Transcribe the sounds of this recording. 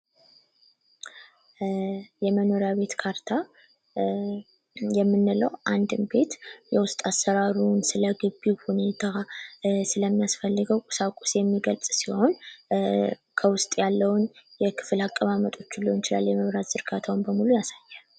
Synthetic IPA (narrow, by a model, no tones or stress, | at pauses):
jɛməno̞ɾjaβe̞t̪kʰaɾt̪ʰa | jɛmːɨnːɨləwʔand̪ɨmbe̞t̪jɛwʊst̪ʼasəɾaɾunsɨləɡɨbːihune̞t̪ʰa | sɨləmːijasfəlːɨɡəwkʼʊ̥sakʼu̥sjɛmːiɡəlsʼsiho̞n | kʰəwʊst̪ʼjalːəwʊnjɛkʰɨ̥fɨlakʼːəβamət̪ʼo̞t͡ʃːɨlːojɪt͡ʃɪla̰lːjɛməβɾat̪zɨɾɡat̪ʰawnbəmulujasajːal